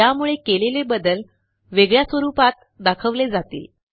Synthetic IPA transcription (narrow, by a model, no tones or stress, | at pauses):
jamuɭekelelebəd̪əl | ʋeɡɭjasʋəɾupat̪̚ | d̪akʰəʋled͡zat̪ḭl